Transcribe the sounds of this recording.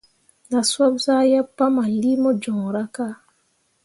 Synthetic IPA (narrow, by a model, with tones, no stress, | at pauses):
na˨swa˦bsa˦ja˦pːa˦ma˨li˦mɔ˦d͡ʒɔ˨ŋ˨ɾa˦ka˦